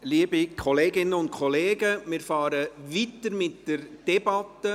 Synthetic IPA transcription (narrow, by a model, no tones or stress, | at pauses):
liːbikʰɔleːɡɪnəʊnt̚kʰɔleːɡəmɪːɾfɑːɾəʋitəɾmɪtd̥ɛɾd̥ɛbɑtːə